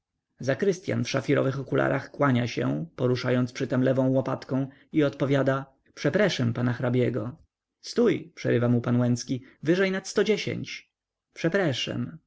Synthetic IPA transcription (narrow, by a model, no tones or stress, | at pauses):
zakɾɘst̪ʲja̰nfʂafʲiɾɔ̰vɘxɔkulʔa̰ɾʔaxkwaɲaɕɛ̰̃pɔɾuʂajɔnt̪spʂɘt̪ɛmlɛvɔ̃w̃wɔpat̪kɔ̃w̃ | iɔt̪pɔvʲjad̪a | pʂɛpɾɛʂɛmpanaxɾabʲjɛɡɔ | st̪ujpʂɛ̰ɾɘvamupanwɛnt̪skʲivɘʐɛjnat̪st̪ɔd͡ʑeɕḛɲt͡ɕ | pʂɛpɾɛʂɛ̰m